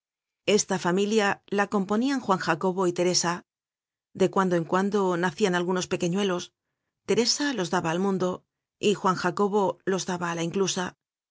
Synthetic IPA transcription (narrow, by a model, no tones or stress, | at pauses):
e̞st̪afamiljalako̞mpo̞niaŋxwaŋxako̞βo̞it̪e̞ɾe̞sa | d̪e̞kwand̪oe̞ŋkwand̪o̞naθianalɣuno̞spe̞ke̞ɲwe̞lo̞s | t̪e̞ɾe̞salo̞zd̪aβaːlmũnd̪o̞ | ixwaŋxako̞β̞o̞lo̞zðaβaːlaiŋklusa